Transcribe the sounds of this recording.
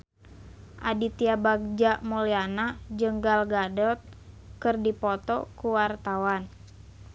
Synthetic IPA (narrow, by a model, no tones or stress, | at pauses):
ʔadit̪iabaɡ̚d͡ʒaʔmɔlianad͡ʒəŋɡalɡadɔt̪̚ | kɨrdipɔt̪ɔkuwart̪awan